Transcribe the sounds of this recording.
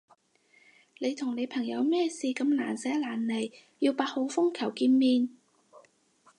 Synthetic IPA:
ne˨˧jt̪ʰʊ˨˩ŋne˨˧jpʰɐ˨˩ŋjɐ˨˧wmɛː˥˩siː˨˧kɐ˧mlaː˨˩nsɛː˨˥laː˨˩nle˨˩j | jiː˧wpaː˧t̚ho˨˧wfʊ˥ŋkʰɐ˨˩wkiː˧nmiː˧n

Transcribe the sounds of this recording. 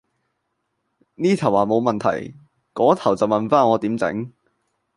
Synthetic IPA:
niː˥t̪ʰɐ˨˩waː˨˩mo˨˧wmɐ˨nt̪ʰɐ̰˨˩j | kɔː˨˥t̪ʰɐ˨˩wt͡sɐ˨wmɐ˨nfaː˥nɔː˨˧t̪iː˨˥mt͡sɪ̰˨˥ŋ

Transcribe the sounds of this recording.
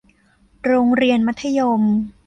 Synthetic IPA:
ɾoː˧ŋɾi˧ənma˦˥t̪ʰːa˧jo˧m

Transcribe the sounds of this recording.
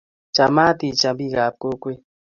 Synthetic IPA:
t͡ʃa˨ma˦t̪i˨t͡ʃa˨bi˦˨ɣa˨p̚ko˦kwe˦

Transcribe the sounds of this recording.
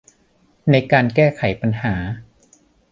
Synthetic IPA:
na˧jkaː˧nkɛː˥˩kʰa˩˦jpa˧nhaː˩˦

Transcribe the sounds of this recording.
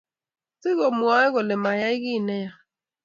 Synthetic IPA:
sɪ˦ɣo˨mwɔ˨˦ɪ˦ɣʊ˨le˨ma˨ja˦i˦ɣi˦˨nɛ˦ja˨

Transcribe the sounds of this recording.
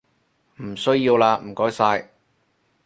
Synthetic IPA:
m̩˨˩sɵ˥ɥjiː˧wlaː˧m̩˨˩kɔː˨˥jsaː˧j

